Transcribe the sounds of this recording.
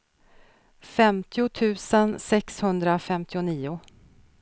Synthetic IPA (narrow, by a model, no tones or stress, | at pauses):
fɛmt̪ʰɪʊt̪ʰʉ̟ːsənsɛkshɵnd̪ɾafɛmt̪ʰɪʊniːʊ